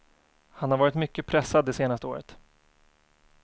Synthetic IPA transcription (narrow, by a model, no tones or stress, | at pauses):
hanhaɾvɑːɾɪt̪mʏkːəpʰɾɛsːad̪d̪ːɛseːnast̪əo̰ːɾət̪